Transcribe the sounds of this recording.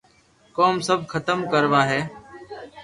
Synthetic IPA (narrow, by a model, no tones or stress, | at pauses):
koːmsəb̚ʱkʰət̪əmkəɾʋaːɦeː